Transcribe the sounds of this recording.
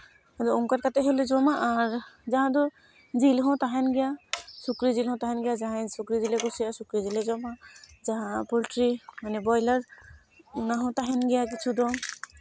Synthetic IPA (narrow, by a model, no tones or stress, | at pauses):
hadɔuŋkaɾkat̪ɛɦulezɔmaʔːɹzaɦãd̪ɔ | zilɦɔ̃t̪aɦɛnɡɛjasukɾizilɦɔ̃w̃t̪aɦɛnɡɛjazaɦãsukɾizileɡusijasukɾizilezɔmazaɦãpulʈɾimanɛbɔjlaɹ | unaɦɔ̃t̪aɦɛnɡɛjak̬it͡ʃʰudɔ